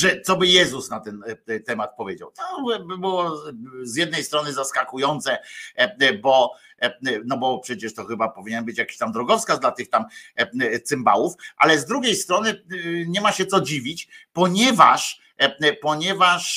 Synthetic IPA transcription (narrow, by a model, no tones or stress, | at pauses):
ʐɛt̪sɔbɘjɛzusnat̪ɛnt̪ɛmat̪̚pɔvʲjed͡ʑa̰wt̪ɔbɘbɪwɔzjɛd̪̚nɛjst̪ɾɔnɘzaskakujɔnt̪sɛ | bɔ | nɔbɔpʂɛt͡ɕɛʂt̪ɔxɘbapɔvʲiɲɛnbɘt͡ɕjakʲi̥ɕt̪amd̪ɾɔɡɔfskad̪lat̪ɘxt̪am | t̪sɘmba̰wufʔa̰lɛzd̪ɾuɡʲejst̪ɾɔnɘɲɛmaɕɛt̪sɔd͡ʑivʲit͡ɕpɔɲɛva̰ʂ | pɔɲɛvaʂ